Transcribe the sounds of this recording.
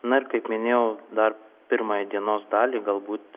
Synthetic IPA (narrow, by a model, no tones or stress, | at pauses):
nʊɪɾkɐɪpmʲɪnʲeːjɛʊd̪ɐɾpʲɪɾmɑːjid̪ʲiɛnoːsd̪ɑːlʲiːɡɐlˠbuːt̪